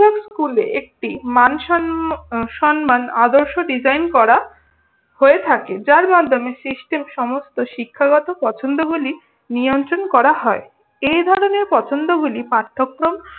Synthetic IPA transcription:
ekskulḛʔek̚ʈimanʃ | ʃɔnmanad̪oɾʃoɖid͡ʑajnkɔɾa | hoet̪ʰaked͡ʑaɾmad̪ʱːomesisʈemʃɔmost̪oʃikʰːaɡɔt̪opɔt͡ɕʰond̪oɡuli | nijont̪ɾonkɔɾaɦɔe | ejd̪ʱɔɾoneɾpɔt͡ɕʰond̪oɡulipaɾt̪ʰːokːɾom

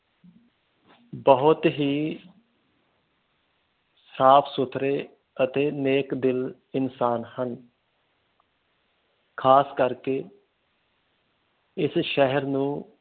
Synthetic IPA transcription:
bəɦʊt̪ɦiː | sɾaːpʰsʊt̪ʰɾeː | ət̪eːneːkd̪ɪl | ɪnsaːnhən | kʰaːskəɾkeː | ɪsʃɛɦəɾnũː

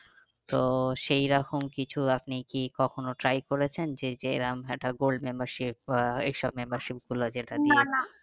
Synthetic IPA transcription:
t̪oʃejɾakʰomkit͡ɕʰuapnikikɔkʰonoʈɾajkoɾet͡ɕʰend͡ʑed͡ʑeḛɾamɛk̚ʈaɡolɖmembaɾʃip̚ḛjʃɔbmembaɾʃip̚ɡulod͡ʑeʈad̪ieaa

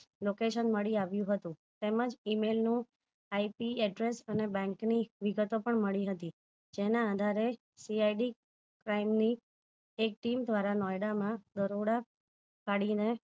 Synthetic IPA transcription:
lokeʃənməɭiaʋjũɦət̪ũ | t̪eməd͡ʒimelnũ | aipiɛɖɾesənebɛ̃ŋkniʋiɡət̪opəɳməɭiɦət̪i | d͡ʒenãːd̪ʱaɾe | siajɖi | kɾaimni | ek̚ʈimd̪ʱʋaɾanɔjɽamãd̪əɾoɽa | kaɽine

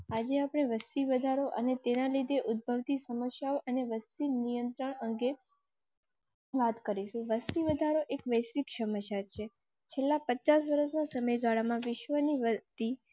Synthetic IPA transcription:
ad͡ʒeapɽ̃eʋəst̪iʋəd̪ʱaɾoʔənet̪enalid̪ʱeʔʊd̪̚bʱəʋt̪isəməʃjaoʔəneʋəst̪inijənt̪ɾəɳəŋɡe | ʋat̪kəɾiʃũʋəst̪iʋəd̪ʱaɾoʔekʋəjsʋikʃəmət͡ʃat͡ʃʰe | t͡ʃʰelːapət͡ʃasʋəɾəsnasəməjɡaɭamãʋɪʃʋəniʋət̪i

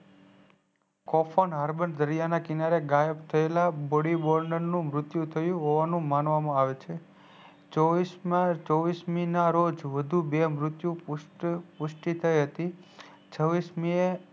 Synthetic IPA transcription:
kɔfʰonɦaɾbənd̪əɾijanakɪnaɾeɡajəbt̪ʰəelabɔɽibɔɾnəɾnũmɾʊt̪jũt̪ʰəjũɦoʋanũmanʋamãaʋet͡ʃʰe | t͡ʃoʋist͡ʃɔʋisminaɾod͡ʒʋəd̪ʱubemɾʊt̪jũppʊʃʈit̪ʰəjɦət̪i | t͡ʃʰəʋismie

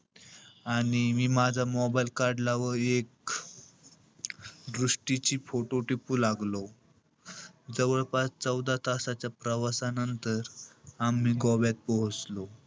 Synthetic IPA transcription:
aɽ̃imiːmad͡zʱamɔbajlkaɾɖlaʋəɾek̚ | d̪ɾuʂʈit͡ɕiːfoʈoʈipuːlaɡlo | d͡zəʋəɭpat͡st͡səwd̪at̪asat͡ɕjapɾəʋasanənt̪əɾamiːɡɔʋjat̪̚pɔɦt͡slo

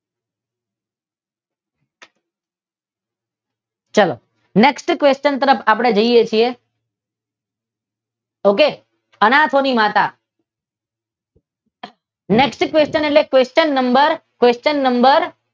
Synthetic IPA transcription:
t͡ʃəlo̰ | neksʈkʋest͡ʃənt̪əɾəpʰaːpɽ̃ed͡ʒəijet͡ʃʰie | oke | ənat̪ʰonimat̪a | neksʈkʋest͡ʃəneʈlekʋest͡ʃənːəmbəɾkʋest͡ʃənːəmbəɾ

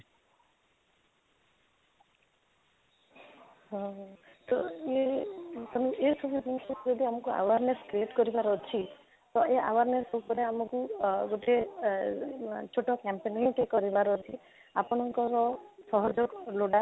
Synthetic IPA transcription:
ɦɔ̃t̪oe | ɔmiʔesʰɔbud̪inkɔd͡ʒɔd̪iamɔkua̰waɾneskɾieʈkɔɾibaɾɔt͡ʃʰi | t̪ɔeʔawaɾneɾsupɔɾeamɔkuɡoʈe | t͡ʃʰoʈɔkampeneʈekɔɾibaɾɔt͡ʃʰi | a̰pɔɽ̃ɔŋkɔɾɔsɔɦɔd͡ʒɔkloɽa

